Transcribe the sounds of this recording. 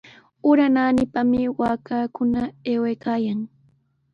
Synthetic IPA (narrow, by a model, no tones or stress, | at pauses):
ʊɾanaːnɪpamɪwaːkaːkʊnaeːwejkaːjaŋ